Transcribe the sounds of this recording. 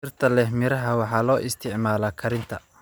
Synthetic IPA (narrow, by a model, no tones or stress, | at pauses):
ɪrt̪ʰɐlɛɦmɪɾɐɦɐwɑħɑːlɔːʔɪst̪ʰɪʕmaːlɐːkʰɐɾɪnt̪ʰɐ